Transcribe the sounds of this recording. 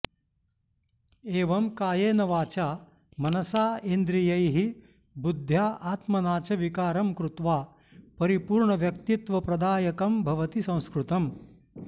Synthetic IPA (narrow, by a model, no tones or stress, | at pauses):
eːʋɐmkaːjeːnɐʋaːt͡ʃaː | mɐnɐsaːend̪ɾijɐjɦi | bud̪ʱjaːʔaːt̪mɐnaːt͡ʃɐʋikaːɾɐmkɾut̪ʋaː | pɐɾipuːɾɳɐʋjɐk̚t̪it̪ʋɐpɾɐd̪aːjɐkɐmbʱɐʋɐt̪isɐ̃w̃skɾut̪ɐm